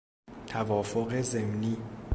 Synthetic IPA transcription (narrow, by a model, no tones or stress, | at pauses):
tʰavɔfɔk̬ʼɛzemni